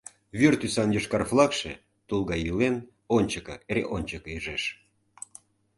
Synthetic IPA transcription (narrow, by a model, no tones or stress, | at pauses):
βyrt̪ysɑnjoʃkɑrflˠɑkʃḛ | t̪ulˠɣɑjilen | onʲt͡ɕəkɤ̰eɾʲḛʔonʲt͡ɕəkɤiʒeʃ